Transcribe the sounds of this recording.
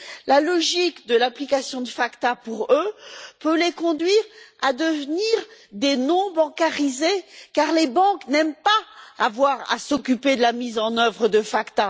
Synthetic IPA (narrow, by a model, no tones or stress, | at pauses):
lalɔʒikd̪əlaplikasjɔ̃d̪əfakt̪apuʁøpølekɔ̃d̪ɥiʁad̪əvniʁd̪enɔ̃bɑ̃kaʁizekaʁlebɑ̃knɛmpa̰ːvwaʁa̰sɔkʲyped̪əlamizɑ̃nœvʁəd̪əfakt̪a